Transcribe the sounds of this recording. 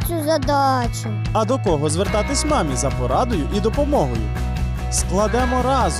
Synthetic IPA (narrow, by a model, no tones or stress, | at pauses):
t͡ʃʲuzɐd̪ɑt͡ʃʊ | ɐd̪ɔkɔɦɔzʋert̪ɑt̪ɪsʲmɑmʲizɐpɔɾɑd̪ʊjʊʔid̪ɔpɔmɔɦɔjʊ̰ | sklˠɐd̪ɛmɔɾɑz